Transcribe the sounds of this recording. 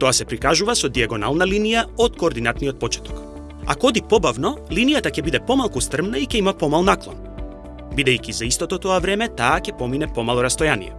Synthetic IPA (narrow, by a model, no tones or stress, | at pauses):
t̪ɔasɛpɾikaʒuvasɔd̪iaɡɔnalˠnalinijaot̪koːɾd̪inat̪nijɔt̪̚pɔt͡ʃɛ̥t̪ɔ̥k | a̰koɔd̪ipɔbavnɔlinijat̪acɛbid̪ɛpɔmalˠkust̪r̩mnaicɛimapɔmalˠnaklˠɔ̰n | bid̪ɛjkʲizaist̪ɔt̪ɔt̪ɔavɾɛmɛt̪aːcʲɛpɔminɛpɔmalˠɔɾast̪ɔjanḭjɛ̰